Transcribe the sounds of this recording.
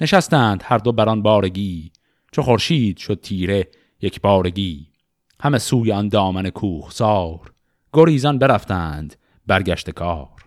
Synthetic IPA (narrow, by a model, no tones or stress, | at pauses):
ne̞ʃæst̪æːnd̪̥hæɾd̪o̞bæɾɒnbɒːɾe̞ɡiː | t͡ʃʰoχo̞ɾʃiːd̪̥ʃo̞d̪̚t̪ʰiːɾe̞ | jecʰbɒːɾeɡiː | hæmesuːjeɒnd̪ɒːmæne̞kʰuːχsɒːɾ | ɡ̥o̞ɾiːzɒnbe̞ɾæft̪æːnd̪̥ | bæɾɡæʃt̪e̞kʰɒːɾ̥